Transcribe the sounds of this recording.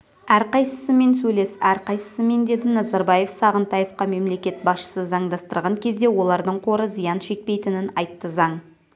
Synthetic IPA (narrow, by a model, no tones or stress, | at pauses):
æɾqɑjsəsəme̞nsɵjle̞sæɾqɑjsəsəme̞nd̪e̞d̪ɪnɑzɑɾbɑje̞fsɑʁənt̪ɑjefqɑme̞mle̞kʲe̞t̪̚bɑsʃə̥səzɑɴd̪ɑst̪əɾʁɑŋkʲʰe̞zd̪e̞wo̞lˠɑɾd̪əɴqʰo̞ɾəzijɑnʃe̞k̚pe̞jt̪ɪnɪnɑjt̪ːəzɑɴ